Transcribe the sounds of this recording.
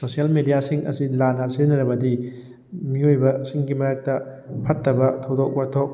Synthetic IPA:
sosiɐlmedijasiŋɐ̰silanɐseɾnɐɾɐbɐdi | miojbɐsiŋɡimɐɾak̚tɐpʰɐtːɐbɐtʰɐwdok̚bɐtʰok̚

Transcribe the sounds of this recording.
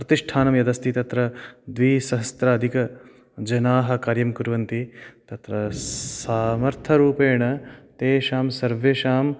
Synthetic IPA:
pɾɐt̪iʂʈʰaːnɐmjɐd̪ɐst̪ʰit̪ɐt̪ɾɐd̪ʋiːsɐɦɐst̪ɾɐɐd̪ʱikɐ | d͡ʒɐnaːɦɐ̆kaːɾjɐmkuɾʋɐnt̪it̪ɐt̪ɾɐsaːmɐɾt̪ʰɐɾuːpeːɳɐt̪eːʃaːmsɐɾʋeːʃaːm

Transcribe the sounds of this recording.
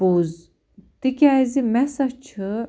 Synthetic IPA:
uːz | t̪ikʲæːzimɛsɐt͡ʃʰɨ

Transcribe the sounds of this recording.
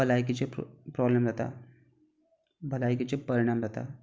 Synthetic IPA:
bəlajkit͡ɕepɾɔblemd͡zat̪a̰ | bəlajkit͡ɕepəɾiɽ̃amzat̪a̰

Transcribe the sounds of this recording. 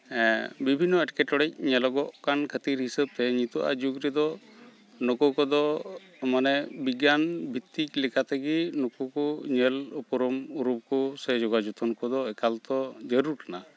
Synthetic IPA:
bibʱinːɔɛʈkɛʈɔɽɛc̚ɲɛlɔɡɔʔkankʰət̪iɾɦisəb̚t̪ɛɲit̪ɔʔa̰d͡ʒuɡɾɛd̪ɔ | nɔkɔkɔd̪ɔ | manɛbiɡanbʱit̪ːik̚lɛkat̪eɡinɔkɔkɔɲɛlɔpɔɾɔmuɾup̚kɔsɛd͡ʒɔɡad͡ʒut̪ɔnkɔd̪ɔɛkalt̪ɔd͡ʒəɾuɾkana

